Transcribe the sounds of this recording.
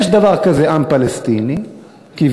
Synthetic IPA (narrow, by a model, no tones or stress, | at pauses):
ʃd̪avaʁkazeʔampalest̪ini | kiv